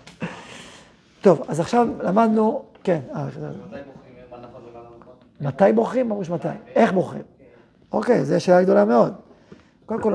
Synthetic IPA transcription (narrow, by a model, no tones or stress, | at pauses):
t̪o̞vazaχʃavlamad̪nuke̞na | mat̪ajbo̞χʁimːamʁuʃmat̪aje̞χbo̞χʁḭm | o̞kejzeʃeːlaɡd̪o̞lame̞o̞d̪ | kold̪emko